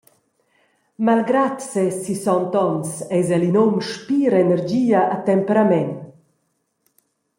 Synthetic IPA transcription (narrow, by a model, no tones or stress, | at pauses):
malɡɾat̪sɛsisɔnt̪ɔnsɛjzɛlinomʃpiːɾɛnɛɾd͡ʒiːaʔat̪ɛmpɛɾamɛn